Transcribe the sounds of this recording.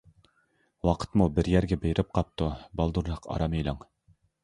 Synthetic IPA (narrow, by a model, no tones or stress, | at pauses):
wɑqʰə̥t̪mubɪɾjæɾɡʲɛbejɾʔɪp̚qʰɑp̚t̪ubɑlˠd̪uɾlˠɑqʰɑ̰ɾɑmejlˠɑŋ